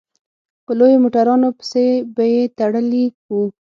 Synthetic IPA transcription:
pəlojomoʈaɾɑnopə̥sebajet̪aɽəliku

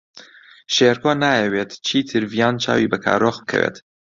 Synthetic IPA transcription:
ʃeɾkʰoːnaːjɛweːt̪t͡ʃʰiːt̪ʰɨɾvijaːnt͡ʃʰa̰ːwibɐkʰa̰ːɾoχbɨ̥kʰɐ̰wḛːt̪

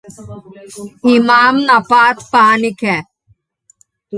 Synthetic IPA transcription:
imaːmnapaːt̪paːnikʰɛ

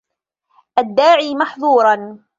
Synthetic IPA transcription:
ʔad̪ːaːʕiːmaħðˤuːɾˤɑn

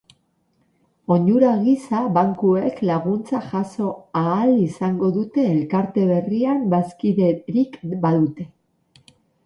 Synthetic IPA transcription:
o̞ɲuɾaɣisaβaŋkue̞klaɣ̞unt͡saʝaso̞aːlisaŋɡo̞ðut̪e̞ːlkaɾt̪e̞βe̞riambaskiðeɾikbaðut̪e̞

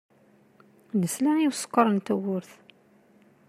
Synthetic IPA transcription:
nəslaiwsə̥qːəɾˤənt̪æwʊɾθ

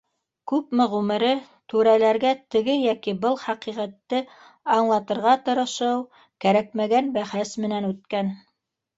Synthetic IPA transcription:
kʉpmɘʁʉmɘ̆ɾɘ | t̪ʉɾælæɾɡæt̪ɘ̆ɡɘjækibɤlˠχɑqiʁæt̪ːɘ | ɑɴlˠɑt̪ɤ̆ɾʁɑt̪ɤ̆ɾɤ̆ʃɤw | kæɾæk̚mæɡænbæχæsmɘ̆nænʉt̪̚kæn

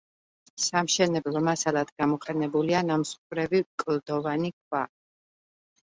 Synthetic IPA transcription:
samʃɛnɛblˠɔmasalˠad̪̥ɡamɔqʼɛnɛbulianamsχʼuɾɛvikʼld̪ɔvanikʼʰwa

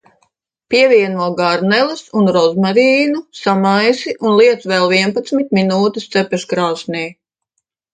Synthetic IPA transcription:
pʲiɛviɛnuɔɡaɾnɛlˠɨsunɾɔzmaɾiːnusamajsiʔunlˠiɛt̪sʋɛlˠviɛnpat̪smit̪̚minuːt̪ist̪sɛpɛʃkɾaːsnʲiː

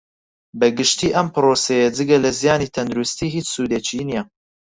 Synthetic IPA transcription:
bɐɡɨʃt̪iːʔɐmpɨɾoːsejɐd͡zɨɡɐlɐzijaːniːt̪ʰɐnd̪uɾust̪iːɦiːt͡ʃsuːd̪et͡ʃʰiːnijɐ

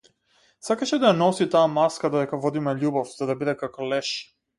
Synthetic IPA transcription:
sakaʃɛd̪ajanɔsit̪aːmaskad̪ɔd̪ɛkavɔd̪imɛʎubɔfz̥ad̪abid̪ɛkakɔlɛʃ

